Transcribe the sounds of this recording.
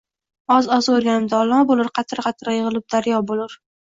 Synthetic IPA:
ɒzɒzoɾɡʲanɪmd̪aːlˠɒbolˠɪɾqʰɑt̪ʰɪɾqʰɑt̪ʰɾjɨʁɨlˠɪp̚d̪aɾjɒbolɪɾ

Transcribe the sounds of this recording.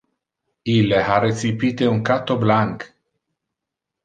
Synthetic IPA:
ileaɾet̪sipit̪euŋkat̪oblaŋk

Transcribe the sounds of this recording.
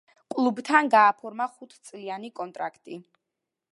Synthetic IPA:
kʼlˠubt̪ʰanɡaːpʰɔɾmaχut̪ʰt̪sʼlianikʼɔnt̪ʼɾa̰kʰt̪ʼi

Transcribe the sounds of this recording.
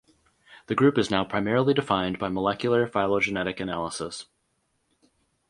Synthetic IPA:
ðɨɡɹʉpɨznaʊpʰɹ̥aɪmɛɹl̩ˠidɨfãɪ̃nbaɪməlɛkjl̩ˠə˞faɪlˠoʊd͡ʒɨnɛɾɨkɨnælˠəsəs

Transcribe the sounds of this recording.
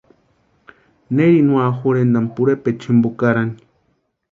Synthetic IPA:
neɾinwaxuɾend̪ampuɾepet͡ʃʰimbokaɾani̥

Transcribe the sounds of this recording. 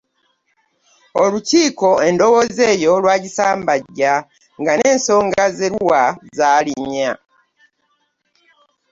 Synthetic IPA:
oluciːko̞e̞ndo̞wo̞ze̞ːjo̞lwaːɟisaːmbaɟːa | ŋɡane̞ːnso̞ːŋɡazeɾwazaːliɲa

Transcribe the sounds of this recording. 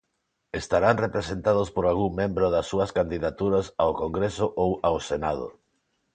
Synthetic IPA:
est̪aɾaŋrepɾesent̪að̞ospoɾalɣuŋmẽmbɾʊðɐsːuɐskand̪iðat̪uɾɐsawkoŋɡɾesʊʔowawsenað̞o̰

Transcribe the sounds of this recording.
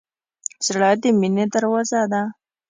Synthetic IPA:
zɽɑd̪emined̪əɾwazad̪a

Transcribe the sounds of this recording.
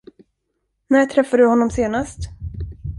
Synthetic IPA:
næʈʰɾɛfːadɵhɔnːɔmseːnast̪

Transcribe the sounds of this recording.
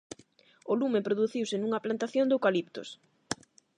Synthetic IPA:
olumẽpɾoðuθiwsɪnuŋɐplant̪aθjond̪owkalipt̪o̰s

